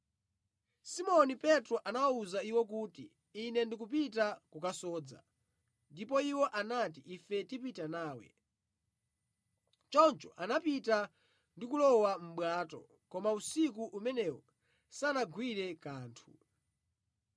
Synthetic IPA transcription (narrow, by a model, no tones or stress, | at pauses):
simɔnipɛtɾɔʔanawauzaiwɔkuːtiː | nɛndikupit̬akukasɔːd͡za̰ | ndipɔiwɔʔanatiʔifɛtipitanaːwɛ̰ | t͡ʃɔnt͡ʃɔʔanapita | ndikulɔwam̩ɓwaːtɔ̰ | kɔmausikuʔumɛnɛwɔ | sanaɡwiɾɛkaːntʰu